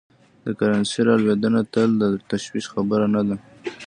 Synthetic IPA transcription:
d̪əkaɾɑnseɾɑlwed̪ənat̪əld̪at̪aʃwiqxabəɾanad̪a

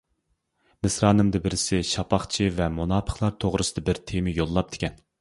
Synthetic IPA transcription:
mɪsɾɑːnɨmd̪ɨbɪɾɪsɪʃɑpʰɑχt͡ʃʰivɛmonɑːpʰə̥χlˠɑɾt̪ʰoʁɾʔɨsɨd̪ɑbɪɾt̪ʰemɪjolˠːɑp̚d̪̥ʰɪ̥kʲɛn

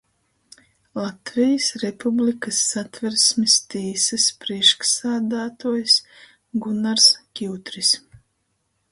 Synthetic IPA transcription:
lˠat̪vijəsɾɛpublikɐsːat̪vɛɾsmʲist̪iːsɨspɾiɛʃksaːd̪aːt̪uɔjs | ɡunaɾskʲiwt̪ɾis

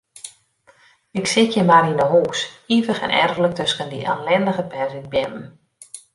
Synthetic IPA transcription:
ɪksɪkjəmaɾinəɦoːxsivəxɛ̰nɛ̰rvlək̚tøskəndḭʔalɛndəɣəpɛrzin̚bɪmn̩

